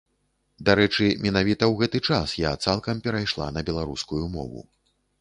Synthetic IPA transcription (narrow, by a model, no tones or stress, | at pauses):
d̪aɾɛt͡ʂɨmʲɛnavʲit̪ɐwɣɛt̪ɨt͡ʂasjat̪salˠkɐmpʲɛɾajʂlˠa̰nɐbʲɛlˠaɾuskujumɔ̰vṵ